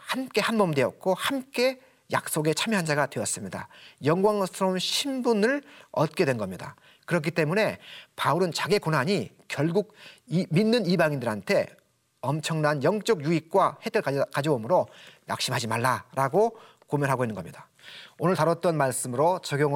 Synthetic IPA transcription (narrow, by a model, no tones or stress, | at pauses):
hamk͈e̞hanbʌmdwe̞ʌt̚k͈ohamk͈e̞ | ja̰k̚s͈oɡe̞t͡ɕʰamjʌɦand͡ʑaɡadwe̞ʌs͈ɯmɲida̰jʌŋɡwaŋsʰɯɾʌunɕʰimbunɯɭʌt̚k͈e̞dwenɡʌmɲida̰ | kɯɾʌk̬ʰit͈e̞mune̞pauɾɯnt͡ɕaɡekonɦaɲi | kjʌɭɡuk̚minːɯnibaŋindɯɾɦantʰe̞ | ʌmt͡ɕʰʌŋnanjʌŋt͡ɕ͈ʌɡjuik̚k͈wahedʰɯɭkad͡ʑoomɯɾoja̰k̚ɕ͈imɦad͡ʑimaɭːaɾaɡo | komjʌnɦaɡoɦinːɯnɡʌmɲida | onɯɭtaɾʌt̚t͈ʌnmaɭs͈ɯmɯɾot͡ɕʌɡjoŋ